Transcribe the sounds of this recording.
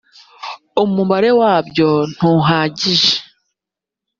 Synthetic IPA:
omumbaɾe̞waːbɟo̞n̥uːɦaːɟiʒe̥

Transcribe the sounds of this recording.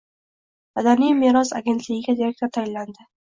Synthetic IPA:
mad̪anijmeɾɒsa̰ɡʲe̞nt̪ʰlɪɡʲɪɡʲad̪eɾek̚ʲt̪oɾt̪ʰajɪllːand̪ɪ

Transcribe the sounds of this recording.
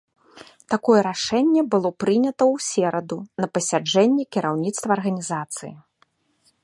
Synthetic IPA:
t̪akɔjɛɾaʂɛnʲːɛbɨlˠɔpɾɨnʲɐt̪ɐwsʲɛɾɐd̪unɐpɐsʲad͡ʐɛnʲːikʲiɾawnʲit̪st̪vɐːrɣɐnʲizat̪sɨ̰jḭ

